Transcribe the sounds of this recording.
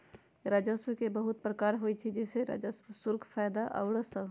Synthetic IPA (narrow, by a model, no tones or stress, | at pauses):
ɾaːd͡ʒəswkebəɦʊt̪̚pɾəkaːɾɦoːit͡ʃʰid͡ʒɛseɾa̰d͡ʒəswsʊɾɡʰfʰaːjd̪aʔə̰ʊɽəsə